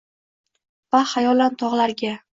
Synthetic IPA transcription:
vahajɒlant̪ʰɒʁlaɾɡʲa

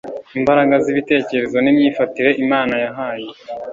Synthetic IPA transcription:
imbaɾaɡaziβite̞ːce̞ɾe̞zo̞nimɲiːfatiɾe̞ʔimaːnajaɦaːje

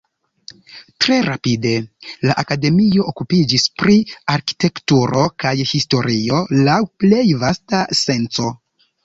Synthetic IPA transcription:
tɾe̞ɾapide̞laʔakade̞mio̞ʔokupid͡ʒispɾiaɾki̥te̞ktuɾo̞kajhisto̞ɾio̞lawple̞jvastase̞nt͡so̞

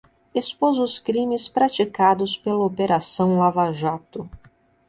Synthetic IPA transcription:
espozʊskɾĩmɪspɾat͡ʃikad̪ʊspelɐopeɾasɐ̃w̃lavaʒat̪ʊ

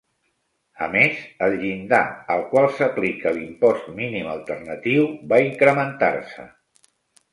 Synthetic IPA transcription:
əmezəlʎind̪a̰əlˠkwalˠsəplikəlimpɔst̪miniməlˠt̪ərnət̪iwbaiŋkɾəmənt̪a̰rsə̰

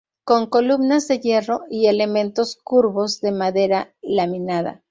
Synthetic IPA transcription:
ko̞ŋko̞luβnazðe̞je̞ro̞ie̞le̞mẽ̞nt̪o̞skuɾβo̞zðe̞maðe̞ɾalamĩnaða̰

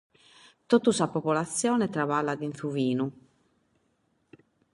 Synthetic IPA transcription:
t̪ot̪ːusapopolat̪sːjɔːnɛt̪ɾavalːad̪inθuviːnu

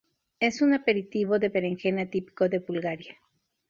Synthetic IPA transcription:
e̞sunape̞ɾit̪iβo̞ðe̞βeɾeŋxenat̪ipi̥ko̞ðe̞βulɣaɾja

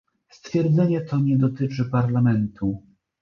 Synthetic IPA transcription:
st̪fʲjɛɾd̪zɛɲɛt̪ɔɲɛd̪ɔt̪ɘt͡ʂɘpaɾlamɛnt̪ʰu

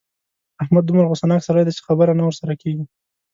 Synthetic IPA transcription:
ahmad̪̚ːʊmɾɣosanɑksaɾajd̪at͡ʃɪ̥xabəɾanawəɾsaɾakeɡi

